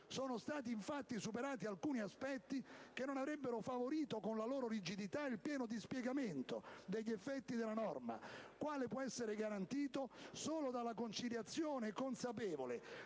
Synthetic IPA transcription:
soːnost̪aːt̪̬iɱfat̪ːisupeɾaːt̪ialkuːniaspɛt̪ːik̟enːonavɾɛbːeɾofavoɾiːt̪okonlaloːɾoɾid͡ʒid̪it̪ailpjɛːnod̪ispjɛɡament̪od̪eʎːɛfːɛt̪ːid̪elːanɔrma̰kwaːlepwɔɛsːeɾeɡaɾant̪iːt̪osoːlod̪alakont͡ʃiljat̪sːjoːnekonsapɛːvole

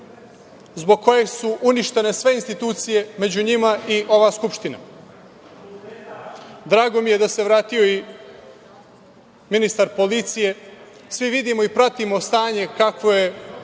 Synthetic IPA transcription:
zbo̞ɡ̚ko̞je̞suʔuniʃt̪e̞ne̞sʋe̞inst̪it̪uːt̪sije̞me̞d͡ʑuɲimaiʔo̞ʋaːskupʃt̪ina̰ | d̪ɾaːɡo̞mije̞d̪ase̞ʋɾaːt̪ijo̞i | minist̪aɾpo̞lit̪sije̞ | sʋiʋid̪imo̞ipɾat̪imo̞st̪aːɲe̞kakʋo̞je̞

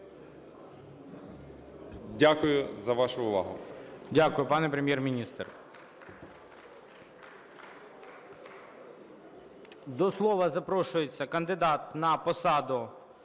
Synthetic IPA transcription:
dʲakʊjʊzɐʋɑʃʊʊʋɑ̰ɦʊdʲakʊjʊpɑnɛpɾemʲjermʲinʲist̪r | d̪ɔslˠɔʋɐzɐpɾɔʃʊjet͡sʲːɐkɐnd̪ɪd̪ɑt̪nɐpɔsɑd̪ʊ

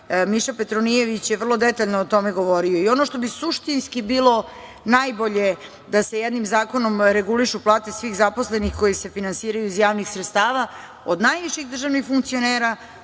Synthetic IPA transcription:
miʃape̞t̪ɾonije̞ʋit͡ɕjeʋər̩lˠo̞d̪et̪aʎnoːt̪o̞meɡo̞ʋo̞ɾioio̞noʃt̪o̞bisuʃt̪inskibiːlˠo̞ | najbo̞ʎe̞ | d̪asejed̪nimzaːko̞no̞mɾeɡuliʃuplˠaːt̪e̞sʋixzapo̞slenixko̞jise̞finansiːɾajuizjaːʋnixsɾet̪st̪aːʋa | od̪najʋiʃixd̪r̩ʒaʋnixfuŋk̚t̪sio̞neːɾa

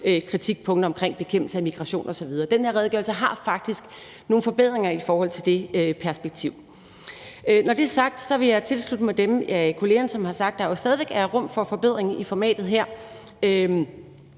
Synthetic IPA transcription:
økʰʁit͡sʰiɡ̥̚pʰɔ̽ŋ̰d̥ɐɒ̽mkʰʁeŋ̰b̥e̝kʰem̰b̥l̩səæmiɡ̥ʁɑɕo̝̰ːnʔɒ̽sɒ̽ʋið̞ˠɐːd̥enheɐʁɛðˠɡ̥ɔɐlsəɦɑ̈fɑ̈ɡ̥̚d̥isɡ̥ | no̝ːn̩fɒ̽b̥e̝ð̰ˠʁeŋɐifɒːhɒ̽l̰t͡sʰe̝ld̥e̝øpʰæɐsb̥eɡ̥̚t͡sʰiʊ̰ | nɒd̥e̝æɐsɑ̈ɡ̥̚d̥sɒ̽ʋe̝jɑ̈ɪt͡sʰe̝lslud̥əmɑd̥emækʰo̝le̝ːɐnəsɒ̽mhɑ̈sɑ̈ɡ̥d̥ɑjosd̥ɛːð̞ˠiʋeɡ̥æʁɔ̽m̰fɒ̽fɒ̽b̥e̝ð̰ˠʁeŋʔifɒmɛ̰ːd̥ð̩ˠɦeɐ̰ | ø

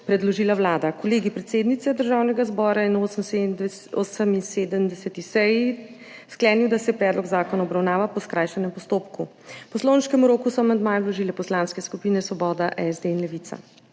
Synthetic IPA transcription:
pɾɛd̪lɔʒiːlawlaːd̪akɔleːɡipɾɛt̪seːd̪nit̪sɛd̪əɾʒaːwnɛɡazbɔːɾajɛnos | osəminseːd̪əmd̪ɛsɛt̪isɛji | sklɛːniwd̪asɛpɾɛːd̪lɔɡzaːkɔnaɔbɾawnaːʋapɔskɾajʃɛnɛmpɔst̪oːpku | pɔsloːnʃkɛmuɾoːkusɔmand̪maːjɔlɔʒiːlɛpɔslanskɛskupinɛsʋɔbɔːd̪aʔɛzd̪einlɛʋit̪sa̰

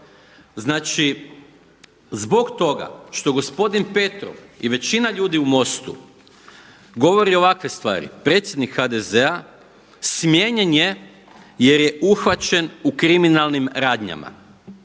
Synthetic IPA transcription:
znaːt͡ʃi | zbo̞ɡt̪o̞ɡa̰ʃt̪oɡo̞spo̞d̪inpe̞t̪ɾo̰ʋiʋe̞t͡ɕinaʎuːd̪iumo̞st̪ṵ | ɡo̞ʋo̞ɾio̞ʋakʋe̞st̪ʋa̰ːɾḭpɾet̪sʲje̞d̪nikxad̪e̞ze̞a | smjeɲeɲje̞ | je̞ɾje̞uxʋat͡ʃenukɾiminalnimɾaːd̪ɲa̰ma̰

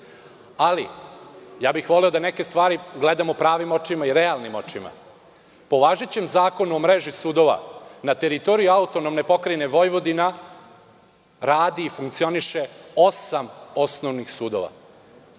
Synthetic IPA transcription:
alḭ | jaːbixʋo̞lɛo̞d̪anekest̪ʋaːɾiɡle̞d̪amopɾaːʋimo̞t͡ʃimaiɾealˠnimo̞t͡ʃima̰ | po̞ʋaːʒet͡ɕe̞mzaːko̞nuomɾeʒisuːd̪o̞ʋa̰nat̪eɾit̪o̞ɾijuaut̪onomnepo̞kɾeneʋo̞jʋod̪ina | ɾaːd̪iːfuŋkt̪sio̞niʃeo̞samo̞snoʋnixsuːd̪o̞̰ʋa̰

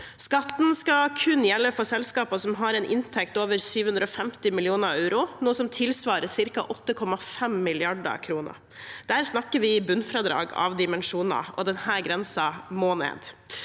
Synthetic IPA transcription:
skɑt̪n̩skɑkʰʉnjɛlːəfɔsɛlskɑːpəsɔmɦɑɾɛnʔɪ̰nt̪ʰɛk̚t̪oːʋəɾsyːʋəhʉnd̪ɾəɔfɛmt̪ɪmɪlɪuːnəɾɑʉɾʊnuːəsɔmt̪ʰɪlsʋɑːɾəsɪɾkɑ̰ʔɔt̪ːəkʰɔmɑfɛmːɪlɪɑɖə̰ɾkʰɾuːnə̰ɾ | d̪̥æːɾsnɑkːəʋɪbʉnfɾɑd̪ɾɑ̰ːɡɑ̰ʋd̪ɪmɛnʂuːnɑ̰ɔ̰d̪ɛnhæːɾɡɾɛnsɑmoːnḛːd̪

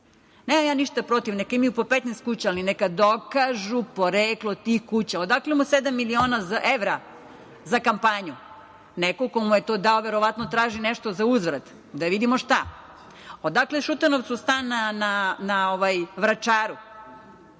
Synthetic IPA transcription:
neːmamjaːniʃt̪apɾo̞t̪iʋnekaimijupopet̪nest̪̚kut͡ɕaːlinekad̪okaʒupoɾeːklˠot̪ixkuːt͡ɕaod̪aklemused̪amːilioːnazaʔeʋɾa | zakampaɲu | nekokomujet̪oːd̪aoʋeɾoʋat̪not̪ɾaːʒineʃt̪ozauzʋɾad̪ | d̪aʋid̪imoʃt̪a | od̪akleʃut̪anoʋt̪sust̪anananao̞ʋajʋɾat͡ʃaːɾu

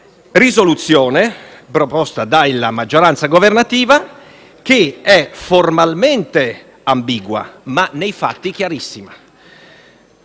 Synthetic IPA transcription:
rizolut̪sːjɔːnepɾopɔst̪ad̪alːamad͡ʒːoɾant̪saɡovernat̪iːva | k̟eɛformalment̪e | ambiːɡwa̰manejfa̰t̪ːik̟jaɾisːima

